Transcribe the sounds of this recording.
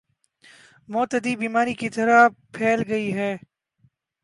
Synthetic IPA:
mɔt̪əd̪iːbiːmaːɾikit̪ɐɾapʰeːlɡɐiɦɛː

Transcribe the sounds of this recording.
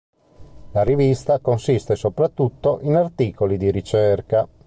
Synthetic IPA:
laɾivist̪akonsist̪esopɾat̪ːut̪ːoʔinart̪iːkolid̪iɾit͡ʃerka

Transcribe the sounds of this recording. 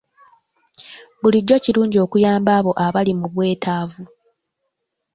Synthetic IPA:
βuliɟːo̞ciɾuːɲɟo̞ːkujaːmbaːβo̞ʔaβalimuβwe̞ːtaːvu

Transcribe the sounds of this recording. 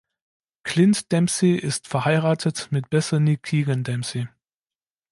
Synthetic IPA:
kʰlɪntd̥ɛmsiʔɪstfɛɐhaɪʁaːtʰətmɪt̚b̥ɛsɐnikʰiːɡəndɛmsi

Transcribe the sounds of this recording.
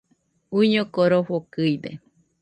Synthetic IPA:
uiɲõkoɾoɸokɨid̪e

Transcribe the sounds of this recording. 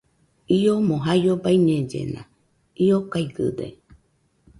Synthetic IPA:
iomõɦajobaiɲẽd͡ʒḛnã̰ | iokajɡɨd̪ḛ

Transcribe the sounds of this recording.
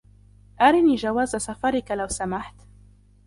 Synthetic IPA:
ʔaɾɪniːd͡ʒawaːzasafɑɾˤɪkalawsamaħt̪

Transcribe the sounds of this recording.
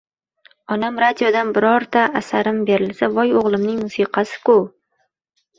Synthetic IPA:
ɒnamɾad̪ijod̪anbɪɾɒɾt̪ʰaːsaɾɪmbeɾɪlsavɒjoʁlˠɪmnɪŋmʊsiqʰɑsɪ̥kʊ

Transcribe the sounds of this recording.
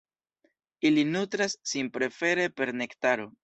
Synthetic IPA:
ilinutɾasːinpɾe̞fe̞ɾe̞pe̞ɾne̞ktaɾo̞

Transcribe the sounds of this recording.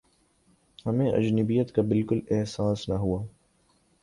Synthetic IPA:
hɐmẽʔɐ̰d͡ʒnəbijət̪kabɪlkʊlɛɦsaːsnɐɦuaː

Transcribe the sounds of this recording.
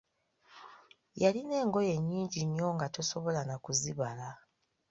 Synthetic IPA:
jaline̞ːŋɡo̞je̞ɲːiːɲɟiɲːo̞ŋɡatoso̞βo̞lanakuziβala

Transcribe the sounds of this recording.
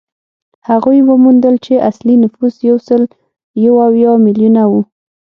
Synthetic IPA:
haɣujwəmund̪əlt͡ʃeʔaslinʊfuzjawsəl | jawawjɑmɪljunawu

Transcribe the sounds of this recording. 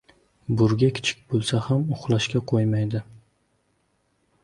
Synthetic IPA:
bʊɾɡʲakʲʰɪ̥t͡ʃʰɪ̥k̚ʲbolˠsahamʊχlˠaʃkʲaqʰojmajd̪ɪ

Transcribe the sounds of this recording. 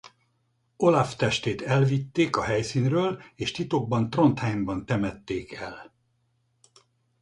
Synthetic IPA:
o̞laft̪ɛʃt̪eːt̪ɛlvit̪ːeːkɒɦɛjsiːnrøːleːʃt̪it̪o̞ɡ̚bɒnt̪ro̞nt̪hɛjmbɒnt̪ɛmɛt̪ːeːkʰɛl

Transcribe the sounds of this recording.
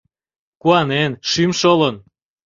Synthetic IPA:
kuɑnenʃymʃolən

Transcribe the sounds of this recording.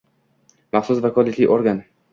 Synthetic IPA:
maχsʊsvakʰɒlit̪lɪ̰ʔoɾɡan

